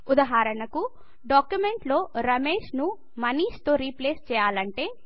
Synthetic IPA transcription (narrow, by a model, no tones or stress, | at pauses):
ud̪ɐɦaːɾɐnɐku | ɖaːkjumeɳʈlo̞ːɾɐme̞ːʃnu | mɐniːst̪oːɾiːpleːst͡ʃɛːjaːlɐɳʈe̞ː